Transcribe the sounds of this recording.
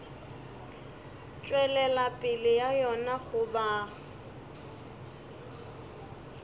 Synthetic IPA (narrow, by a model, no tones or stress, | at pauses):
t͡ʃʼwɛlɛlapʼɪlɪjajɔnaχʊba